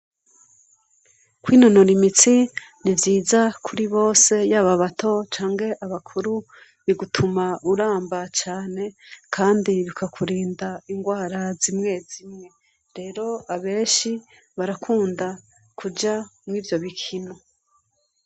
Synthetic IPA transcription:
kwiːnono̞ɾimit͡sinivjiːzakʰuɾiβo̞ːse̞jaːβaβatʰo̞t͡ʃaːŋɡe̞ʔaβakʰuɾu | βiɡutʰumauɾaːmbat͡ʃaːne̞kʰaːndiβikʰakʰuɾiːndaiŋɡwaːɾazimŋe̞zimŋe̞ | ɾe̞ːɾo̞aβe̞ːʃi | βaɾakʰuːnda | kʰud͡ʒamŋiːvjo̞βikʰino

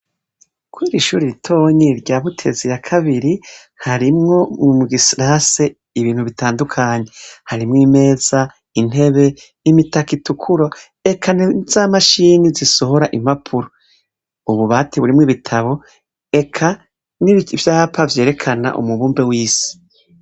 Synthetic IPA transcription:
kwuiɾiʃuːɾiɾitʰo̞ɲiɾɟaːβutʰe̞zijakʰaβiɾi | haɾimŋo̞mumuɡisiɾase | iβiːn̥huβitʰaːndukʰaːɲe̞haɾimŋiːme̞ːz̥a | in̥e̞βe̞ | imitakitukʰuɾo̞ | e̞kʰanizamaʃiːniziso̞ɦo̞ɾaʔim̥apʰuɾo | uβuβaːtʰiβuɾimŋiβitʰaβo̞ | e̞kʰa | nivjaːpʰavje̞ːɾe̞kʰana̰ʔṵmuβuːmbe̞wiːsi̥

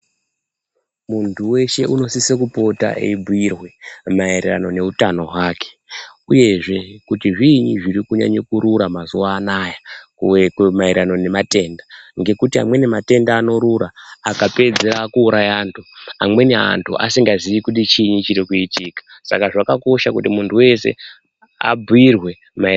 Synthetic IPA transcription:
muntʰuwe̞ʃe̞ʔuno̞sisekupo̞ta̰ʔḛibʱuirwe̞mairea̰no̞ne̞utano̞waːke̥uje̞ʐe̞kutiʐiːɲiʐiɾikuɲa̰ɲokuɾuɾamazuwaːnaja | kmaiɾano̞ne̞mate̞ːndaŋɡe̞kutia̰mwe̞ne̞mate̞ndaːno̞ɾuɾaːkape̞d͡zeɾakuːɾajaːntʰuamwe̞nea̰ntʰṵʔa̰siŋɡaziʋikuɗit͡ʃiɲit͡ʃiɾikuitikḁsa̰kaʐakako̞ʃakutimuntuwe̞se̞̰ | a̰buirwe̞ | ma

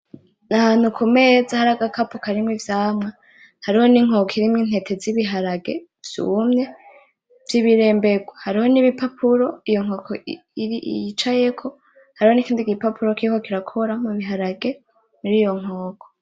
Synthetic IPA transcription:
nahaːn̥hukʰume̞zahaɾaɡakapokaɾimŋivjaːmŋa | haɾiho̞niŋ̥okʰiɾimŋiːn̥he̞tʰe̞ziβiɦaɾaɡe̞ | v̥jṵmɲe̞ | v̥jiβiɾe̞ːmbeɡwahaɾiho̞niβipapʰuɾo̞ijo̞ŋ̥oːkʰo | iɾḭt͡ʃaje̞kʰo̞ | haɾiho̞nikiːndiɡipapuɾo̞kiiko̞kiɾakʰoɾamuβiɦaɾaɡe | muɾiːjo̞ŋ̥oːkʰo

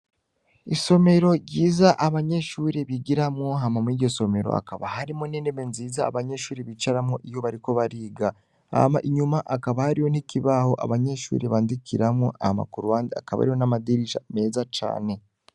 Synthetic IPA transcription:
iso̞me̞ɾo̞ɾɟiːzaʔaβaɲe̞ʃuːɾeβiɡiɾamŋoɦamamwiɾɟo̞so̞me̞ɾo̞̰a̰kaβahaɾimoneːneme̞nziːza̰ːβaɲe̞ʃuːɾeβit͡ʃaɾamoʔijo̞βaɾiko̞βaɾiːɡa | a̰maʔiɲumaʔakaβahaɾijo̞nikiβaho̞ʔa̰βaɲeʃṵɾeβaːndikʰiɾamoʔa̰hma̰kuɾuwaːndia̰kaβa̰ɾijo̞namadiɾiʃa̰me̞ːzat͡ʃa̰ːne̞

